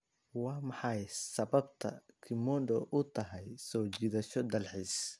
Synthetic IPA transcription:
wɑːmɑħɑjsɐβɐb̚t̪ʰɐ̰kʰɪmɔnɖ̪ɔʔʊt̪ʰɐɦɛjsɔːt͡ʃiːðɐʃɔd̪ɐlħis

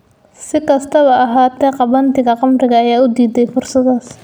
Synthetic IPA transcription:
sɪkʰɐst̪ʰɐβɐɐɦaːt̪ʰɛːqɑβɐnt̪ʰɪɣɐqɑmrɪɣɐːjaːʊd̪iːd̪ɛjfʊrsɐðaːs

